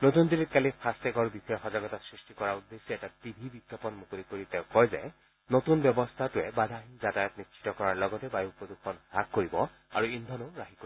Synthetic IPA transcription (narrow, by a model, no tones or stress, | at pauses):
notundilit̚kalipʰastɛɡɔɹbisɔɛxɔzaɡɔtɔsɹistikɔɹaud̪ːesɔɛtadibʱibiɡjapɔnmukolikoɹitɛʊ̃kɔjzɛ̰ | notunbjɔbɔst̪ʰatʊɛbad̪ʱaɦinzatajɔtnitsʰi̥tɔkɔɹaɹlɔɡɔtɛbajupɔdukʰɔnhak̚ːoɹibɔ | aɹuindʱɔnʊɹaɦiko